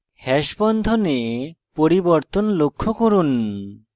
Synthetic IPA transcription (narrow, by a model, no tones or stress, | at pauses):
hɛʃbɔnd̪ʱonepoɾibɔɾt̪onlokʰːokoɾun